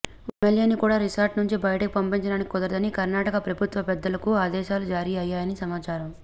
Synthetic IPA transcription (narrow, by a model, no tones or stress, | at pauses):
emeljeːnikuːɽaːɾisaːɾʈnuɲt͡ʃibɐjɐʈɐkipɐmpiɲt͡ʃɐɽaːniki̥kɔd̪ɐɾd̪ɐnikɐɾnaːʈɐkɐpɾɐbʱut̪ʋɐpɛd̪ːɐlɐkuaːd̪ɛːʃaːlud͡ʒaːɾiɐjaːjɐnisɐmaːt͡ʃaːɾɐm